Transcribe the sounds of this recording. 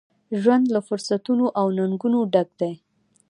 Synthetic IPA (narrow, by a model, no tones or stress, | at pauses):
ʒwand̪lafʊɾsat̪unoʔawnaŋɡunoɖaɡ̚d̪aj